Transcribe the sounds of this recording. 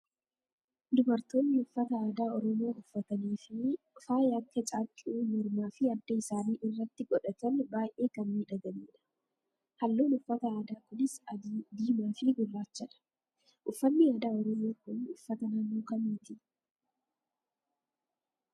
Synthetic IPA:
d̪ʊbɐɾt̪o̞ːnːɪʊfːɐt̪ɐaːd̪aːɔɾɔmo̞ːʊfːɐt̪ɐniːfɪ | faːjɐkʰːɐt͡ʃʼaːkʼɪʔuːmɔɾmaːfɪɐd̪ːɐɪsaːniːʔɪrːɐt̪ːɪɡʼɔᶑɐt̪ɐnbaːjʔʔe̞ːkɐmmiːᶑɐɡɐliːᶑɐ̥ | hɐlːoːnʊfːɐt̪ɐaːd̪aːkʊnɪsɐd̪iːmaːfɪɡʊlːaːt͡ʃːɐᶑɐ̥ | ʔʊfːɐnːiːaːd̪aːɔɾɔmoːkʊnʊfːɐt̪ɐnɐmːoːkɐmiːt̪ɪ

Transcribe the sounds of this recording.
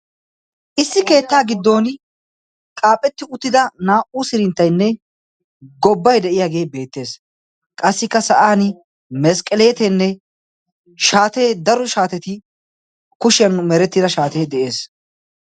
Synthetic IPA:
ʔɪsːɪke̞ːt̪ːaːɡɪd̪ːo̞ːn | kʼaːpʼːɛt̪ːɪʊt̪ːɪd̪ɐnaːʔusɪɾɪnt̪ːɐjnːɛ | ɡɔbːɐjd̪ɛʔɪjaːɡe̞ːbe̞ːt̪ːe̞ːs | kʼɐsːɪkːɐsɐʔaːn | mɛskʼɛleːt̪ɛnːɛ | ʃaːt̪e̞ːd̪ɐɾɔʃaːt̪ɛt̪ɪ | kʊʃɪɐnmɛɾɛt̪ːɪd̪ɐʃaːt̪eːd̪ɛʔe̞ːs

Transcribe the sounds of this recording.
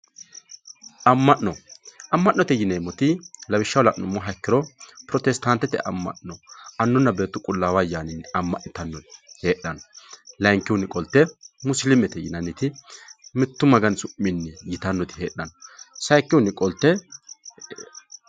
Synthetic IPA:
ɐmːɐʔnɔʔɐmːɐʔnːɔt̪ɛjɪneːmːɔt̪ɪlɐwɪʃːɐwlɐ̰ʔnʊmːɔɦɐkːɪɾɔpɾɔt̪ɛst̪ɐnt̪ːɛt̪ɛʔɐ̰mːɐ̰ʔnɔɐnːʊnːɐbe̞ːt̪ːʊkʼʊlːaːwɐjaːnɪnːɪɐmːɐʔnɪt̪ɐnːɔnɪhe̞ːɗːɐnɔlɐjŋkːɪwʊnɪkʼɔlt̪ːɛmʊslɪmɛt̪ɛjɪnɐnːɪt̪ɪmɪt̪ːʊmɐɡɐnsʊmːɪnːɪjɪt̪ɐnːɔt̪ɪ̥heːɗːɐnɔsɐjkːɪwʊnːɪkʼɔlt̪ːɛ

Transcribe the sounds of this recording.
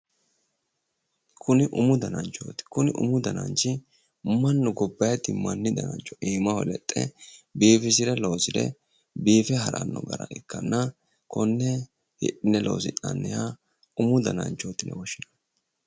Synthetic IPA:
kʰʊnɪʔʊmʊd̪ɐnɐnt͡ʃːo̰ːt̪ɪ̥kʊnɪʔʊ̰mʊd̪ɐnɐnt͡ʃɪ | mɐnːʊɡɔbːɐjɐt̪ːɪmɐnːɪd̪ɐnɐnt͡ʃːɔ̥ʔiːmɐhɔlɛt̪ʼːɛ̰biːfɪsɪɾɛlo̞ːsɪd̪ɛ̰ | biːfɛɦɐɾɐ̰nːɔ̰ɡɐɾɐ̰ʔɪkːɐnːɐ | kɔnːɛ | hɪ̰ᶑɪnɛlo̰ːsɪ̰nːɐnːɛja | ʊmʊd̪ɐnɐ̰nt͡ʃʼːoːt̪ɪnɛ̰wɔʃːɪnɐ̥

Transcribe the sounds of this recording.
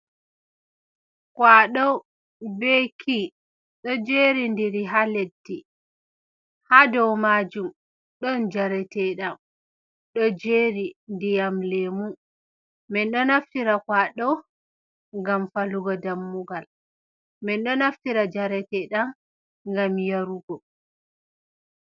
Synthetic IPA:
kwaɗɔw | bɛkʰi | ɗɔd͡ʒeɾindiɾiɦaledːi | hadɔwmad͡ʒum | ɗɔnd͡ʒaɾɛtɛɗam | ɗɔd͡ʒeɾindijamlemun | mɛnɗɔnaftiɾakwaɗɔ | ŋɡamfaluɡɔdamːuɡal | mɛnɗɔnaftiɾad͡ʒaɾɛtɛɗam | ŋɡamjaɾuɡɔ

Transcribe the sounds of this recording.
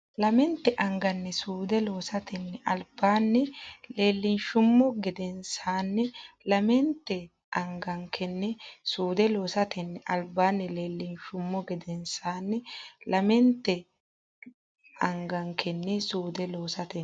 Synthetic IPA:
lɐmɛnt̪ːɛʔɐŋɡɐnːɛsuːd̪ɛloːsɐt̪ɛnːɛʔɐlbaːnːɛle̞ːlːɪnʃʊmːɔɡɪd̪ɛnsaːnːɛlɐmɛnt̪ːɛ | ʔɐŋɡɐŋkʰɛnːɛsuːd̪ɛloːsɐt̪ʰɛnːɛʔɐlbaːnːɛleːlːɪnʃʊmːɔɡɪd̪ɛnsaːnːɛlɐmɛnt̪ːɛ | ɐŋɡɐŋkʰɛnːɛsuːd̪ɛloːsɐt̪ɛ

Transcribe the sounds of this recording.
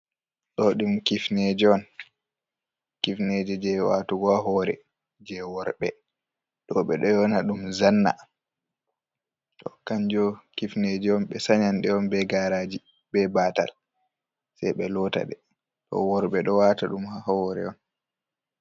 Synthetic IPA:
ɗɔɗumkifned͡ʒɛɔn | kifned͡ʒɛd͡ʒɛwa̰tuɡɔaɦɔɾɛ̰ | d͡ʒɛwɔɾɓɛ | ɗɔɓɛɗɔjɔnaɗumzanːa̰ | tɔkaɲd͡ʒɔkifned͡ʒɛɔnɓɛsaɲanɗɛɔnbɛɡaɾaːd͡ʒi | bɛbata̰l | sajɓɛlɔta̰ɗɛ | tɔ̰wɔɾɓɛɗɔwataɗumhahɔɔɾɛ̰ɔn

